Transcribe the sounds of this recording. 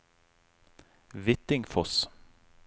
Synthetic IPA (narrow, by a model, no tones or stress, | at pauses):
ʋɪt̪ɪŋfɔs